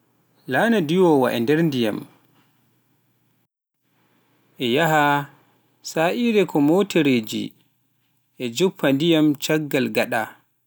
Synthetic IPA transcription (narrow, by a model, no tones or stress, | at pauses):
laːnadiwɔwa̰ʔɛndɛɾndija̰m | ʔɛjaɦa | saʔiɾɛkʰɔmotɛɾed͡ʒḭ | ʔɛd͡ʒupʰːandijamt͡ʃaɡːalɡaɗa